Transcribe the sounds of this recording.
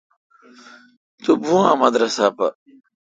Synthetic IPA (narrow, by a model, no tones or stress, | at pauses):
t̪ubuãːmɐd̪ɾɐsaːpɐ̰